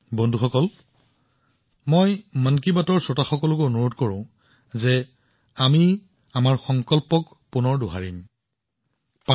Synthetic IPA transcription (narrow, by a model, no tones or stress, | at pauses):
bɔndʱuxɔkɔl | mɔjmankibatɔɹsɔtaxɔkɔlɔk̬oonuɹotkɔɹʊ̃ | zɛ | ami | amaɹxɔŋkɔlpɔk | punɔɹduɦaɹim | pa